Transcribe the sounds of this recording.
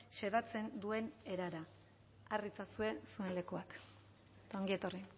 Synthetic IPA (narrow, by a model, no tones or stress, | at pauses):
se̞ðat͡se̞nd̪ue̞ne̞ɾaɾa | arit͡sasue̞sue̞nle̞kuak | t̪aoŋɡiet̪ori